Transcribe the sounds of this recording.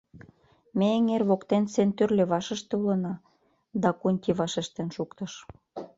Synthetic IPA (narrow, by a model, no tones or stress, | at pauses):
meeŋerβokt̪ensent̪ørlʲĕβɑʃə̆ʃt̪ĕulə̆nɑ | d̪ɑkunʲtʲiβɑʃĕʃt̪ĕnʃukt̪ɤ̆ʃ